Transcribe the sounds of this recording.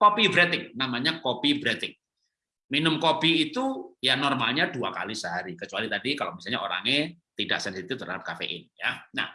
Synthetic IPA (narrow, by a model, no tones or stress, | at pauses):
kopibɾɛt̪ɪŋ̚namaɲakopibɾet̪ɪŋ̚ | minʊmkopiːt̪ujanɔrmalɲaduaka̰lisəɦaɾikət͡ʃualit̪adikalomisalɲaʔoɾa̰ŋet̪ida̰ʔsɛnsit̪ɪft̪əɾa̰ap̚kafḛʔɪ̰njana̰h